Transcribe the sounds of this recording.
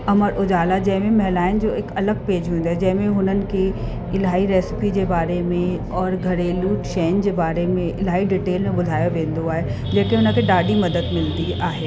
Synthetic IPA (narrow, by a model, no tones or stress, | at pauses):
ɐməɾʔʊd͡ʑaːlad͡ʑɐ̃ɦɪ̃mẽmɐɦɪlaːɪnd͡ʑoːɪkɐləɡ̚peːd͡ʑɦũːnd̪oaːed͡ʑɐ̃ɦɪ̃mẽɦʊnənɪ̆kʰe | ɪlaːiɾeːsɪ̥pid͡ʑeːbaːɾemẽ | ɔːɾɡʱɐɾeluːʈʃẽːnd͡ʑebaːɾemẽɪlaːiɖɪʈeːlmẽbʊd̪ʱaːjoʋẽːnd̪oaːɦe | d͡ʑɐɦkeɦʊnə̆kʰeɖaːɖimɐd̪əd̪mɪld̪iaːɦeː